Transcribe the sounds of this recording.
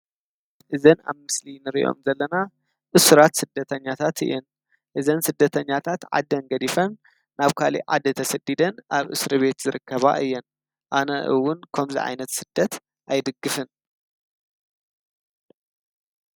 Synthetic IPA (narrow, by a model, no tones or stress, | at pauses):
ʔɨzɐna̰βmɨslinɨɾḭʔo̰mzɐlːɐna | ʔɨsɾat̪sɨd̪ːɐt̪ʰɐɲːat̪ʰat̪ɨ̰jɛn | ʔɨzɐnsɨd̪ːɐt̪ʰɐɲːat̪ʰat̪ʕa̰d̪ɐnɡɐd̪ifɐnː | aβkʰalḭʕa̰d̪ɐt̪ʰɐsɐd̪id̪ɐnʔaβʔɨsɾɨβe̞t̪zɨɾɨkʰːɐβa̰ʔɨjːɛn | ʔanɐʔɨwːʊnkʰɐmzḭʕa̰jnɐt̪sɨd̪̥ːɐt̪ | ʔajd̪ɨɡːɨfɨn